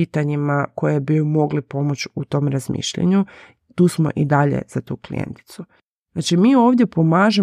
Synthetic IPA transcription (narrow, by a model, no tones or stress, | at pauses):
it̪aɲimako̞jebimo̞ɡlipo̞mo̞t͡ɕut̪o̞ːmɾazmḭʃʎa̰ɲu | t̪uːsmo̞̰ʔid̪aʎḛz̥at̪uːklḭjḛnt̪i̥t̪su | znat͡ʃimiːo̞ːʋd̪je̞po̞maːʒe